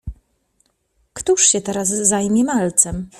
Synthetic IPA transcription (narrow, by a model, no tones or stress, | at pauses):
kt̪uʂɕɛt̪ɛɾas̬ːajmʲɛmalt̪sɛm